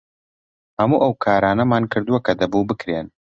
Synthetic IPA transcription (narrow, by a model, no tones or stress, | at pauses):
hɐmuːʔɐwkʰaːɾaːnɐmaːnkʰɨɾd̪uwɐkɐd̪ɐbubɨkɾeːn